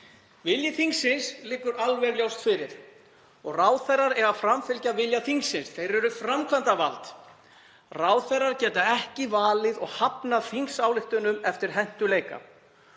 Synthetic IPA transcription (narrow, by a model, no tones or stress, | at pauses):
vɪljɪθiŋksɪnslɪːkːʏɾalvɛɾljawst̪fɪɾɪɾ̥ | ɔɣraːwθɛjrːaɾɛɣafɾamfɪlcavɪljaθiŋksːɪnsθejɾɛɾʏfɾamkʰant̪ava̰lt̪ | raːwθejrːaɾ̥cɛːt̪aɛhcɪvaːlɪðɔɣhapnaθiŋsaːwlɪht̪ʏnʏmɛft̪ɪɾ̥ɦɛn̥t̪ʏleːjka̰